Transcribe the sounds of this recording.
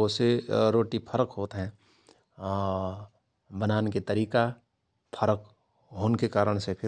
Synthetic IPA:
oseɾoːʈipʰəɾəkɦoːt̪ɦɛ̃ː | bənaːneket̪ɐɾiːka | pʰəɾək | ɦoːnkekaːɾəɽ̃sepʰɪ

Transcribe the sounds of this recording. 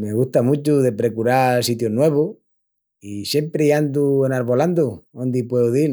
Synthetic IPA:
me̞ɣuht̪amut͡ʃuðe̞pɾe̞kuɾasit̪jonwe̞β̞o | isje̞mpɾeiand̪uenaɾβo̞land̪uõnd̪ipweoði

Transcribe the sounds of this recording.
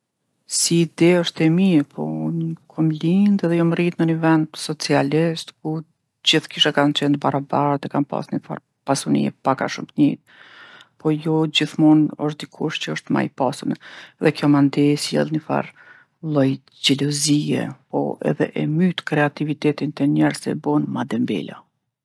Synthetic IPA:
siːd̪ɛɔʃt̪ɛmiɛpʰɔ̰ɲəkʰɔmlind̪ɛðɛjɔmɾit̪nənəvɛnd̪sɔt͡sialist̪ku | d͡ʑiθkiʃakant͡ʃɛnd̪baɾabaɾt̪ɛkanpa̰snəfa̰ɾ | pasunḭɛ̰paka̰ʃumt̪ɲɛt̪̚ | pʰɔjɔd͡ʑiθmunɔʃt̪̚d̪ikʰuʃt̪t͡ɕəɔʃt̪ma̰jpasunɛɛðɛkjɔmand̪ɛsjɛ̰lˠnəfa̰ɾ | lˠɔj | d͡ʑɛlɔziɛ̰pɔ̰ɛ̰ðɛ̰ʔɛmyt̪kɾɛat̪ivit̪ɛt̪int̪ɛɲɛɾsɛ̰bɔnmad̪ɛmbɛ̰la̰

